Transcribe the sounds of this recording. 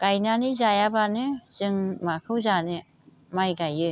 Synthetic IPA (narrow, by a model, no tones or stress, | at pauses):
kajnanizajabanɯz̥ɯŋmakʰɯwzanɯ | majɡajɯ